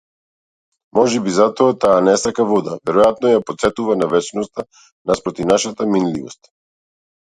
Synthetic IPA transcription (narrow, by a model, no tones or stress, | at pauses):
mɔʒɛbizat̪ɔat̪aːnɛsakavɔd̪a̰vɛɾɔjat̪nɔjapɔt̪sɛt̪uvanavɛt͡ʃnɔst̪a | naspɾɔt̪ivnaʃat̪aminlivɔst̪